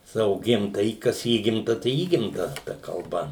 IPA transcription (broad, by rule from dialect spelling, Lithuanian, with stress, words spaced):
ˈsɑːʋoː ˈɡʲɪmtɐjiː ˈkɐs ˈiːɡʲɪmtɐ tɐɪ ˈiːɡʲɪmtɐ tɐ kɐlˠˈbɐ